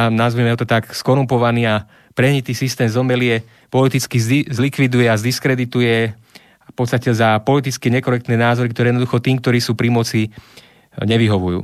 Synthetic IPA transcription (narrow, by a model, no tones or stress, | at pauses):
anazʋiɛmɛɔt̪ɔt̪akskɔɾumpɔʋaniːa | pɾɛɦɲit̪iːsist̪ɛːmzɔmɛlɪɛ | pɔlit̪it͡skizzlikʋid̪ujɛazd̪iskɾɛd̪it̪ujɛ | pɔt̪st̪acɛzapɔlit̪it͡skɛɲɛkɔɾɛk̚t̪nɛːnaːzɔɾikt̪ɔɾɛjɛd̪nd̪uxɔt̪iːmkt̪ɔɾiːsuːpɾimɔt͡si | ɲɛʋiɦɔʋujṵː